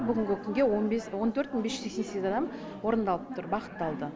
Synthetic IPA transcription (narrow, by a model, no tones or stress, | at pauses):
bʏɡʲɪŋɡʲɪkʲʰʏnɡʲewonbeswo̞nt̪ʰɵɾt̪wnbe̞sʃʒʏ̥zeksesezɑd̪ɑm | wo̞ɾənd̪ɑlˠəp̚t̪ʊɾbɑqə̥t̪ːɑlˠd̪ə